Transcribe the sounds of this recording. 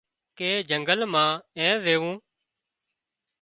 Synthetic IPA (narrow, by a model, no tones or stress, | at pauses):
keːd͡ʒəŋɡəlmãːɛ̃ːzeːʋũː